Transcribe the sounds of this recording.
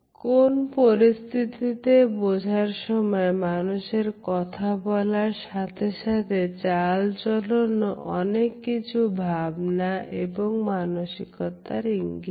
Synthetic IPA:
konpoɾist̪ʰit̪it̪ebod͡ʑʱaɾʃɔmɔemanuʃeɾkɔt̪ʰabɔlaɾʃat̪ʰeʃat̪ʰet͡ɕalt͡ʃolonoʔɔnekːit͡ɕʰubʱabnaʔeboŋmanoʃikɔt̪aɾiŋɡi

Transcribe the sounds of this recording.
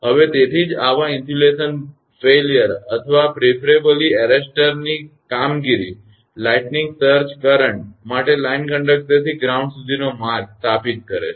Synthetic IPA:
ɦəʋet̪et̪ʰid͡ʒaʋãint̪julesən | felijəɾət̪ʰəʋapɾepʰəɾebəliɛɾesʈəɾnikamɡiɾḭ | laiʈniŋɡsəɾt͡ʃkəɾəɳʈ̚maʈelainkə̃ɳɖək̚ʈəɾt̪ʰiɡɾaũɳɖsud̪ʱinomaɾst̪ʰapit̪̚kəɾḛ

